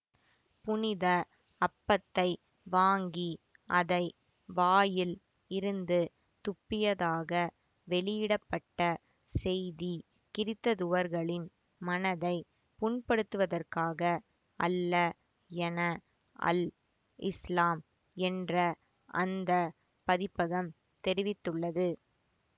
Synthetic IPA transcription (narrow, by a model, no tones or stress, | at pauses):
pʊnɪðɐ | ɐpːɐt̪ːɐɪ | ʋaːŋɡi | ʔɐðɐɪ | ʋaːjɪl | ɪɾɯnd̪ɯ | t̪ʊpːɪjɐðaːɣɐ | ʋɛɭɪjɪɽɐpːɐʈːɐ | sɛjði | kɪɾɪt̪ːɐðʊʋɐɾɣɐɭɪn | mɐnɐðɐɪ | pʊɳpɐɽɯt̪ːɯʋɐðɐrkaːɣɐ | ʔɐ̰lːɐ | ɛnɐ | ʔɐ̰l | ʔɪslaːm | ɛndrɐ | ʔɐnd̪ɐ | pɐðɪpːɐɣɐm | t̪ɛɾɪʋɪt̪ːɯɭːɐðɯ